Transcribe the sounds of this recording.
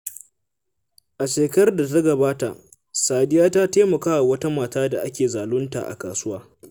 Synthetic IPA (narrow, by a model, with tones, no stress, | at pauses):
ʔa˨ʃeː˨kɐ˦rda˨t̬a˦ɡɐ˨baː˦ta˨ʔ | saː˨dɪ˦jaː˦taː˦teː˦mɐ˨kaː˦wa˨wɐ˦ta˦maː˨taː˦da˨ʔa˦kʲeː˨zaː˨lʊ˦nta̰˨ʔa̰˨ka̰ː˨sʊ˦waː˦